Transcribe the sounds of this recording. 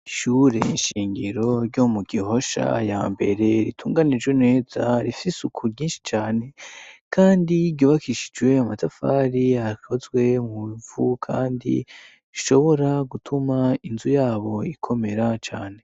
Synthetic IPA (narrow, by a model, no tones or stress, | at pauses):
iʃuɾe̞̰inʃiːŋɡiɾo̞ɾɟomuɡiɦo̞ʃa̰jaːmbe̞ɾe̞ɾitʰuːŋɡanid͡ʒɡwene̞ːzaɾifisukʰuɾɟiːnʃi̥t͡ʃaːne̞kʰaːndiɟjoːβakʰiʃi̥d͡ʒwe̞amatafaːɾiakʰozɡwe̞muivukʰaːndḭ | iʃo̞βo̞ɾaɡutʰumainzujaːβo̞ikʰo̞me̞ɾat͡ʃaːne̞